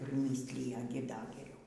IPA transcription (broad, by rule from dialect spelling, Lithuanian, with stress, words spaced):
pʲrʲɪˈmʲiːsʲlʲɪjɛ ˈɡʲɪ ˈdɐ ɡʲɛˈrʲɛʊ